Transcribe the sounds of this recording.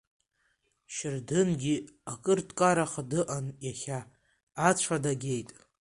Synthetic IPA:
ʃɪrdɨnɡʲiakʼɨrtkʼaɾaχadɨʔanjaχʲaː | t͡ɕʷʰadaɡʲe̞jtʼ

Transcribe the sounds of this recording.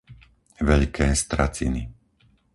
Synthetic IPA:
ʋɛʎkʰɛːst̪ɾat͡sḭni

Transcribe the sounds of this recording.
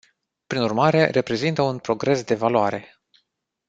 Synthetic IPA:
pɾinurmaɾe̞re̞pɾe̞zint̪əunpɾo̞ɡɾe̞sd̪e̞valoaɾe̞

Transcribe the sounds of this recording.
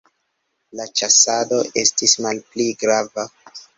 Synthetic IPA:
lat͡ʃasado̞ʔe̞stismalpliɡɾava

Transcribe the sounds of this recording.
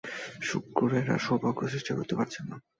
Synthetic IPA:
ʃukːoɾaeɾa̰ʃobʱakɾoseʃʈako̰t̪epaɾt͡ɕʰenːa

